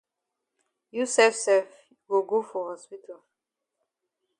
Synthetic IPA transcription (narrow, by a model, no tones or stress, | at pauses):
jusɛfsɛf | wilɡofɔhɔspitʰo